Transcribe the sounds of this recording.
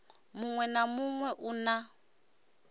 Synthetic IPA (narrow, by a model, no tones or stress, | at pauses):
muŋwɛnamuŋwɛʔuna